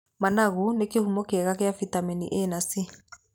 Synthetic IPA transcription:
manaɣunekehumɔkeɛɣakeafitamɛnḭʔenasi

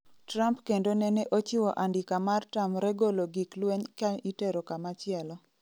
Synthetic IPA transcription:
trampkendonɛnɛʔot͡ʃɪwɔʔandɪkamartamɾɛɡoloɡiklweɲkaiteɾokamat͡ʃɪɛlɔ

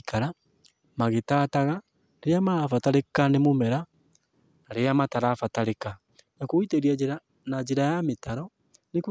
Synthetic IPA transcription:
kʰaɾa | maɣetaːtaɣa | ɾeɾeamaɾafataɾekanemomɛɾa | ɾeamataɾafataɾeka | nakoiteɾiad͡ʑeɾa | nad͡ʒeɾajametaɾɔ | nek

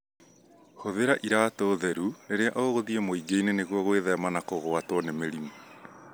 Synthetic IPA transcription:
ɣoðeɾaʔiɾaːtoːðɛɾuɾeɾea̰ʔoɣoðiemoiɡeineneɣwɔɣweðɛmanakoɣoatwɔnemeɾimo

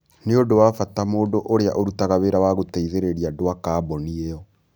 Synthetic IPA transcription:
neodowafatamoːdoʔoɾeaʔoɾutaɣaβeɾawaɣoteiðeɾeɾiadowakaːbɔniejɔ

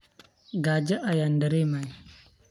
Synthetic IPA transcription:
ɡad͡ʒeʔajandaɾemai

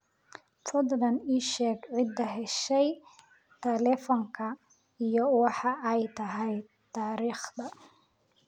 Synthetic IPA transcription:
tʰɔd̪dɐniːʃɛːɡʕɪd̪ːɐɦɛʃɛj | t̪ʰɛlɛfɔŋkʰɐ | ijɔwɑħɑʔɛjt̪ʰɐɦɛj | t̪ʰaːɾiːχd̪ɐ

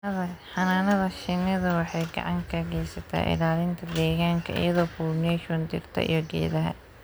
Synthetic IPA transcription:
ɐðɐħɑnaːnɐðɐʃɪnɐðɐwɑħɑjɡɑ̰ʕɑŋkʰɐɣɛjsɐt̪ʰa̰ːʔɪ̰laːlɪnt̪ʰɐd̪ɛːɣaːŋkʰɐ̰ʔḭjɐðɔːfɔrnɛʃɔnd̪ɪrt̪ʰɐ̰ʔḭjɔɡɛ̰ːðɐɦɐ̰

